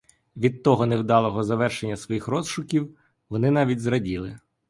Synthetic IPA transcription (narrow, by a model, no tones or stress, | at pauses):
ʋʲid̪̚t̪ɔɦɔnewd̪ɑlˠɔɦɔzɐʋɛrʃenʲːɐsʋɔjixɾɔzʃʊkʲiw | ʋɔnɪnɑʋʲidʲzɾɐdʲilˠɪ